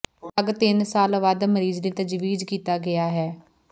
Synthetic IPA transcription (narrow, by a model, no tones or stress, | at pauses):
əɡt̪ɪnsaːlʋad̪məɾiːzliːt̪əd͡ʒʋiːd͡ʒkiːt̪aːɡɪjaːɦɛː